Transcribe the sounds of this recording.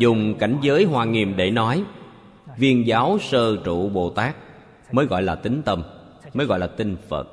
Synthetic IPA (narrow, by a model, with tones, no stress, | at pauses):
zʊ˨˩ŋ͡mka˧˩jŋ̟zəː˨˦jɦwaː˨˩ŋi˨˩əmɗe˧˩nɔ˨˦j | vi˧ənzaː˨˦wsəː˧t͡ɕṵ˧˨ɓo˨˩t̪aː˦˥k̚ | məː˨˦jɣɔ̰˧˨jlaː˨˩t̪ï˨˦ŋ̟t̪ə˧m | məː˨˦jɣɔ̰˧˨jlaː˨˩t̪ï˧ŋ̟fə̰˨˩t̚